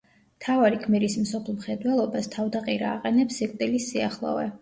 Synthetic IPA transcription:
mt̪ʰavaɾikʰmɛɾismsɔpʰlˠmχɛd̪wɛlˠɔbast̪ʰavd̪aqʼiɾaːqʼɛnɛpsɛkʼt̪ʼilisːiaχlˠɔ̰vɛ̰

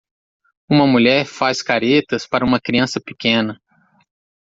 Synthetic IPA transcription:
ũmɐmuʎɛɾfaskaɾet̪ɐspaɾɐũmɐkɾiɐ̃sɐpi̥kẽnɐ

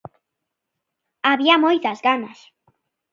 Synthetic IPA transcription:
aβiamojt̪azɣanas

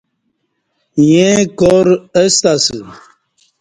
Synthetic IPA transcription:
jẽkoɾəst̪asɨ

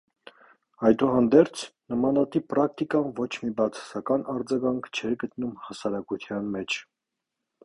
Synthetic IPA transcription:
ɑjd̪uɦɑnd̪ɛɾt͡sʰnəmɑnɑt̪ipɾɑk̚t̪ikɑnvɔt͡ʃʰmibɑt͡sʰɑ̥sɑkɑnɑɾd͡zɑɡɑŋkʰt͡ʃʰɛɾɡət̪numhɑsɑɾɑkut̪ʰjɑnmɛt͡ʃʰ

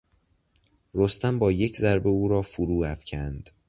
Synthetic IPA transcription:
rost̪æmbɒːjecʰzæɾbe̞uːɾɒːfuɾuːæfcʰænd̪̥

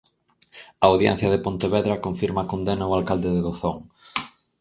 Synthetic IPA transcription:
aːwðjɛ̰n̟θjɐð̞epont̪eβeðɾɐkoɱfiɾmakond̪enaoalkald̪eðeðoθoŋ

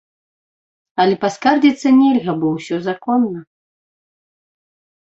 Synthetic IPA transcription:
ɐlʲɛpaskard͡zʲit̪sːɐnʲɛlʲɣɐbɔwsʲɔzakɔnːɐ

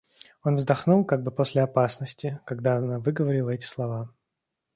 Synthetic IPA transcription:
o̞nvzd̪ɐxnulˠkaɡ̚bɨpo̞sʲlʲɪɐpasnəsʲtʲɪkɐɡd̪aɐnavɨɡəvɐɾʲɪlˠəɛtʲɪ̥slˠɐva

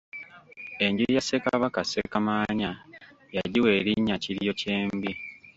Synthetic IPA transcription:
e̞ɲɟiijase̞kaβakasekamaːɲa | jaɟiweːɾiɲːaciɾjo̞ce̞ːmbi

